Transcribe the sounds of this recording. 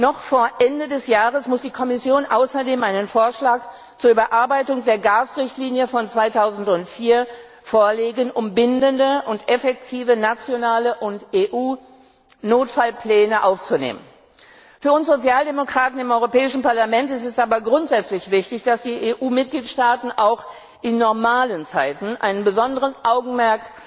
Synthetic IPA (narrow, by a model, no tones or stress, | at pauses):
nɔχfoːɐʔɛndədɛsjaːʁəsmʊsd̥iːkʰɔmɪsjoːnʔa̰ʊsɐdeːmʔaɪnənfoːɐʃlaːk | t͡suːɐʔybɐʔaɐbaɪtʊŋdeːɐɡaːsʁɪçtliːnjəfɔnt͡sv̥aɪtʰaʊzn̩tʊntfiːɐ | foːɐleːɡənʔʊmbɪndəndəʔʊntʔɛfɛk̚tʰiːvənat͡sjonaːləʔʊnteːʔuː | noːtfalpl̥ɛːnəʔaʊft͡sunḛːmən | fyːɐʊnsz̥ot͡sjaːldemokʁ̥aːtn̩ɪmʔɔʏʁopɛːɪʃn̩paɐlamɛntɪstɛsʔaːbɐɡʁʊntz̥ɛt͡slɪçv̥ɪçtɪçd̥asd̥iːʔeːʔuːmɪt̚ɡ̥liːtʃtaːtn̩ʔaʊx | ʔɪnːɔɐmaːlənt͡saɪtn̩ʔa̰ɪnənbəzɔndəʁənʔaʊɡŋ̩mɛɐk̚t